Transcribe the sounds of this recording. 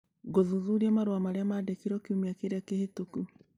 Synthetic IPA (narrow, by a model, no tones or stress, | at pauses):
ɡoðuðuɾiamaɾwamaɾeamadekiɾɔkiumiakeɾeakehetuku